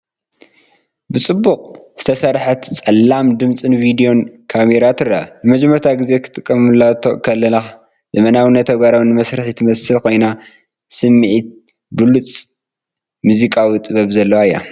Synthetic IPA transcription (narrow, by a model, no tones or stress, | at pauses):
bɨt͡sʼɨbːuqʼz̥ɨt̪ʰɐsɐɾħɐt̪t͡sʼɐlːamd̪ɨmt͡sʼɨnvid̪ijo̞nkʰameɾat̪ʰɨraanɨmɐd͡ʒmːɐɾt̪ʰaɡɨze̞kʰɨ̥t̪ʼɨkʼːɐmɨlːat̪ʰo̰kʰɐlːɐna | zɐmɐnawinːɐt̪ʰːɐɡaɾawnːɨmɐsɾɨħjɨt̪ʰɨmɐsɨlkʰo̞jna | sɨmːiʕit̪̚ | bɨlut͡sʼ | muzikʼawit̪ʼɨβɐβzɐlːɐwajja̰